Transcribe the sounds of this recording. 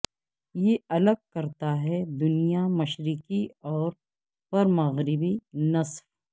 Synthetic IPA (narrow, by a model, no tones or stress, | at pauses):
jeɐləɡ̚kɐɾt̪aɦɛd̪ʊnijamɐʃɾɪkiɔːɾ | pɐɾmɐɣɾɪbinɐsf